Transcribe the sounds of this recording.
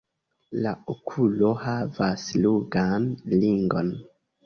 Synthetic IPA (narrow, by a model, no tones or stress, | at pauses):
laokʰulo̞havasluɡanliŋɡo̞̰n